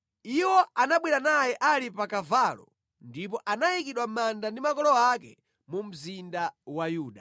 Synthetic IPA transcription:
iwɔanaɓwiɾanajɛʔalipakavaːlɔ̰ | ndip̬ɔʔanajikiɗwamandandimakɔlɔakɛ̰ | mum̩zindawajuːɗa

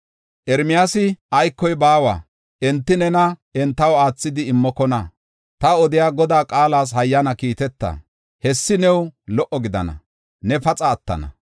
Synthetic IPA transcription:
ʔɛɾmɪjaːsɪʔɐjkːɔjbaːwa̰ː | ʔɛnt̪ːɪnɛnɐɛnt̪ːɐwaːt͡sːɪd̪ɪɪmːɔkɔnɐ | t̪ɐɔd̪ɪjaːɡɔd̪aːkʼaːlaːs̬hɐjːɐnɐkiːt̪ɛt̪ːɐ̰ | hɛsːɪnɛwlɔʔɔɡɪd̪ɐ̰nɐ̰ | nɛfɐt͡sʼɐːt̪ːɐ̰nɐ̰

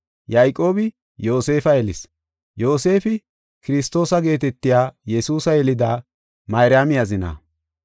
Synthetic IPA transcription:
jɐjkʼːo̞ːbɪ | jo̞ːse̞ːfɐjɛlɪs | jo̞ːse̞ːfɪ | kɪɾɪst̪ːo̞ːsɐɡe̞ːt̪ɛt̪ːɪjaːjɛsuːsɐjɛlɪd̪aː | mɐjɾɪjamɪjɐzɪna̰ː

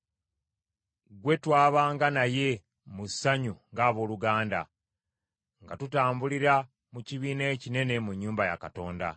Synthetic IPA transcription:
ɡwe̞twaːβaːŋɡanaje̞ | musːaɲuŋɡaːβo̞ːluɡaːnda̰ | ŋɡatutaːmbuliɾa | muciβiːne̞ːcine̞ne̞muɲːuːmbaja̰kato̞ːnda̰

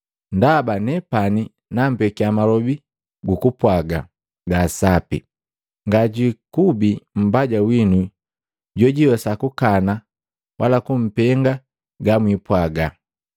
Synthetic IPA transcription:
ndabanɛpani | nam̩bɛkiamalɔbi | ɡukupwaɡa̰ | ɡasapḭ | ŋɡaɟikubim̩baɟawinu | ɟɔɟiwɛsakukana | wʔalakum̩pɛŋɡa | ɡamwipwaɡa

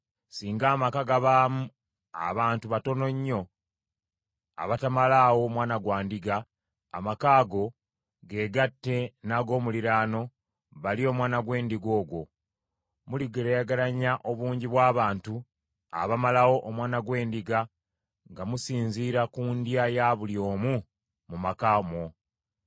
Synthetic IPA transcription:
siːŋɡaːmakaɡaβaːmu | a̰βaːntuβato̞no̞ɲːo̞ | a̰βatamalawo̞mwaːnaɡwaːndiɡaː | makaːɡo̞ | ɡe̞ːɡatːe̞naɡo̞ːmuliɾaːno̞ | βalio̞ːmwaːnaɡwe̞ːndiɡo̞ːɡwo̞ | muliɡeɾejaɡaɾaɲaʔo̞βuːɲɟiβwaːβaːntu | a̰βamalawo̞ʔomwaːnaɡwe̞ːndiɡa | ŋɡamusiːnziːɾakuːndjajaβuljo̞ːmu | mumakaːmo̞

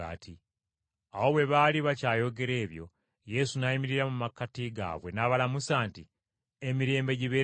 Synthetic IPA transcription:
a̰ːtʰi | awo̞βwe̞βaliβacaːjo̞ɡe̞ɾe̞ːβjo̞̰ | je̞sunajimiɾiɾamumakːatiɡa̰ːβwe̞naβalamusaːnti | emiɾe̞ːmbe̞ɟiβe

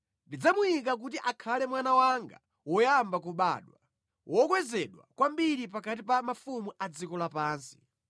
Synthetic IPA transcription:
ndid͡zamujikak̬utiʔakʰalɛmwanawaŋɡa̰ | wɔjambak̬uɓa̰ːɗwa̰ | wʔɔkwɛzɛɗwa̰kwambiɾip̬akatipamafumuʔad͡zikɔlapaːnsi̥

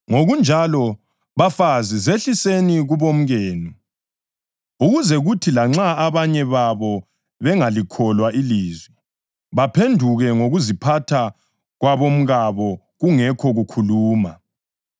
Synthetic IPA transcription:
ŋoɣund͡ʒʱalɔ | βafazizeɬiseniɣuβom̩ɣeːnu | uɣuzɛɣutʰilaŋ͡ǁaːβaɲɛβaβɔ | βɛŋalikʰɔlwaʔiliːzwi | βapʰendʱuɣɛŋoɣuzipʰatʰa | ɣwaβom̩ɣaβɔ | ɣuŋɛkʰɔɣukʰuluːma

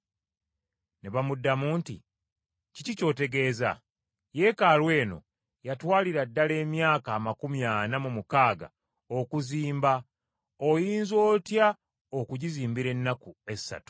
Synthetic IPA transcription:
neβamudːamuːntḭ | cicico̞ːte̞ɡe̞ːza̰ | je̞kaːlwe̞ːno̞̰ | jatwaːliɾadːale̞ːmjaːkaːmakumjaːnamumukaːɡa̰ | o̞kuziːmba | ojiːnzo̞ːtja | okuɟiziːmbiɾe̞nːakue̞sːa̰tu̥

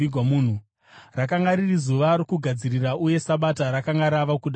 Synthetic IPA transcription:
ɡʱamuːn̤u | rakaŋɡaɾirizuʋaɾokuɡʱad͡ziriraʔuje̞saɓataɾakaŋɡaɾaʋakuɗ

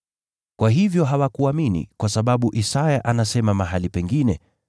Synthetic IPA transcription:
kwaɦivjɔɦawakuaminḭkwasaɓaɓuʔisajaʔanasɛmamaɦalipɛŋɡinɛ

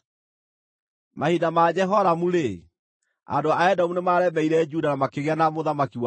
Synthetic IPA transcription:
mahidamad͡ʑɛɦɔɾamuɾe | a̰doaaɛdamunemaːɾɛmɛiɾɛd͡ʒudanamakeɣeanamoðamakiwa

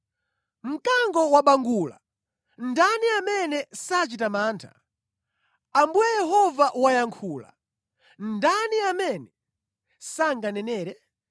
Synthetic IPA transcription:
m̩kaŋɡɔwaɓaŋɡula | ndaniamɛnɛsat͡ʃitamaːntʰḁ | ambujɛjɛɦɔvaʔwajaŋkʰuːla̰ | ndaniamɛnɛ | saŋɡanɛnɛːɾɛ

